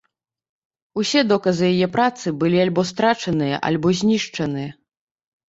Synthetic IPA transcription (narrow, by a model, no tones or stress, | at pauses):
usʲɛd̪ɔkɐzɨjajɛpɾat̪sɨbɨlʲialʲbɔs̬t̪ɾat͡ʂɐnɨjɐ̰ʔɐ̰lʲbɔzʲnʲiʂt͡ʂɐnɨjɐ